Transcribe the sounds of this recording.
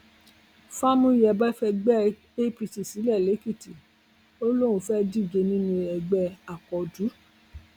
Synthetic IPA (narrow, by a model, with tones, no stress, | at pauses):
fa˦mũ˧˦˨jɛ˧˨ba˦fɛ˧ɡ͡bɛ˦ | e˦pi˧ti˨si˨˦lɛ˦˨le˨˦ki˦˨ti˨ | o˦lõ˦˨ũ˧fɛ˦di˦˨d͡ʒe˧nĩ˦nũ˧ɛ˨ɡ͡bɛ˧a˨kɔ˨du˨˦